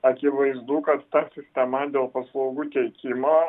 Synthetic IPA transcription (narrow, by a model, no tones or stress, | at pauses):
ɐkʲɪʋɐɪzd̪uːkɐt̪ːɑsʲɪsʲt̪ʲɛmɐd̪ʲeːlˠpɐslˠɐʊɡuːt̪ʲɛɪkʲɪmoː